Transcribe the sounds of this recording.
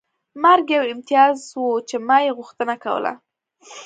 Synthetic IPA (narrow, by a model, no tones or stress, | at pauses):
maɾɡjawɪmt̪jɑzwot͡ʃemɑjeɣʊxt̪ənakawə̰la̰